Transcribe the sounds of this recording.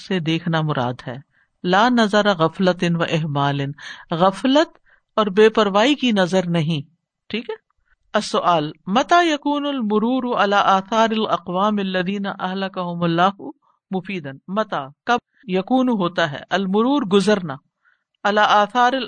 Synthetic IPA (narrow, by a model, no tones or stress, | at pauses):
sed̪eːkʰnamʊɾa̰ːd̪ɦɛ̰ː | laːnɐzɐɾaɣɐflɐt̪ɪnʋɐʔɪɦmaːlɪnɣɐflət̪ | ɔːɾbeːpɐɾʋaːikinɐzəɾnɐɦĩ | ʈʰiːkɦɛː | ɐsːʊʔaːlmɐt̪aːjɐkuːnʊlmʊɾuːɾuɐlaːʔaːθaːɾɐlɐqʋaːmɐlːɐðiːnɐʔɐɦlɐkɐɦʊmɐlːaːɦʊ | mʊfiːd̪ɐnmɐt̪aːkɐ | jɐkuːnɦoːt̪aɦɛ̰ːʔɐlmʊɾuːɾɡʊzəɾna | ɐlaːʔaːθaːɾɐl